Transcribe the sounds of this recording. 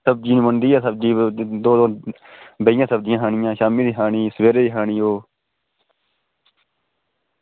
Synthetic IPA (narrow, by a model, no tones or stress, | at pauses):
əb̚d͡ʒiːñːmənd̪iːaːsəb̚d͡ʒiːd̪oːd̪õː | bəɪjãːsəb̚d͡ʒɪjãːɦaːɳɪjãːʃaːmiːd̪iːɦaːɳiːsʋeːɾeːd̪iːɦaːɳiːoː